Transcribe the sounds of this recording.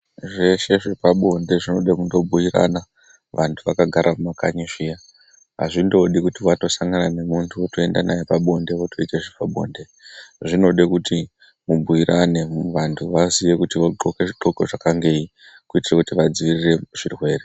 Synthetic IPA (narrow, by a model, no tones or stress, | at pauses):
ʐe̞ʃe̞ʐe̞paɓo̞nde̞ʐino̞ɗekundo̞bʱujira̰na | ʋʔantʰuʋakaɡʱaɾʔamumakaɲiʃija | a̰ʐindo̞ɗikutiwato̞saŋɡanane̞muntʰuoto̞e̞ndanajepaɓo̞nde̞ʋotʰo̞iteʐepaɓo̞̰nde̞ʐino̞ɗekuti | mubʱujiɾʔane̞ʋantʰuʋasije̞kutiʋoǃoke̞ʐiǃo̞ko̞ʐakaŋɡe̞i | kuitirakutiʋad͡ziʋirire̞ʐ̥irwe̞ːre